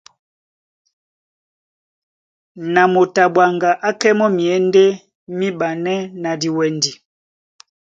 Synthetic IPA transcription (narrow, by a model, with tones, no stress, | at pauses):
na˨mo˨ta˨bwa˨ŋɡa˨ʔa˦kɛ˦mɔ˦mi˨ɛ˨˦nde˦ | mi˦ba˨nɛ˦na˨di˨wɛ˨ndi˨